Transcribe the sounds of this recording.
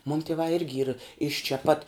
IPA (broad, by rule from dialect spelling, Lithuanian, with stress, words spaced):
muːn tʲiɛˈʋɑː ˈɪrʲɡʲɪ iːr ɪʃ t͡ʃʲɛ pɐt